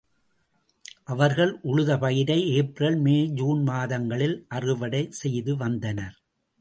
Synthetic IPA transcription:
ʔɐʋɐɾɣɐɭʔʊɭɯðɐpɐjɪɾɐɪeːprɐlmeːd͡ʒuːnmaːðɐŋɡɐɭɪlʔɐrɯʋɐɽɐɪsɛjðɯʋɐnd̪ɐnɐɾ

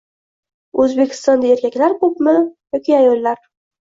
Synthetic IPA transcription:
ɵzbekʲʰɪ̥st̪ɒnd̪ae̞ɾkʲakʲlaɾkɵpmɪjɒkʲiajɒlːaɾ

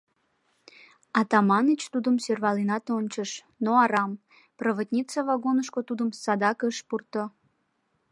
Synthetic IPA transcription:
ɑt̪ɑmɑnət͡ɕt̪ud̪əmsørvɑlinɑt̪onʲt͡ɕəʃ | noɑɾɑm | prəβət̪ʲnʲit͡səvɑɡonəʃkot̪ud̪əmsɑd̪ɑkəʃpurt̪o

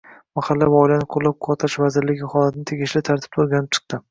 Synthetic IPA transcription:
maχalːavaɒjlanɪqʰʊɾlːap̚qʰɒɾt̪ʰaʃvazɪɾlɪɡʲɪχɒlat̪ʰɪnɪt̪ʰeɡʲɪʃlɪt̪ʰaɾt̪ʰɪ̥p̪̚ʰoɾˠɡʲanɪp̚t͡ʃʰɨ̥qt̪ɪ

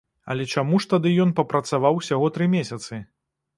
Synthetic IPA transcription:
ɐ̰lʲɛt͡ʂamuʂt̪ad̪ɨjɔnpɐpɾɐt̪savawsʲaɣɔt̪ɾɨmʲesʲɐt̪sɨ

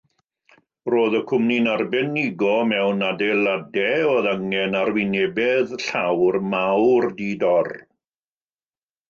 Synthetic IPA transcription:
roːðəkʰʊmninarbɛnɪɡɔmɛwnadɛlˠadɛoðaŋɛnarwɪnɛbɛðɬawrmawrdidɔr

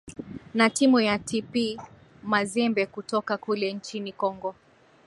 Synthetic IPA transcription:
natimujatʰipi | mazɛmbɛkutɔkakulɛnt͡ʃinikɔŋɡɔ

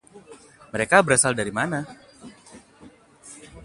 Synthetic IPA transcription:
məɾekabəɾasaldaɾimana

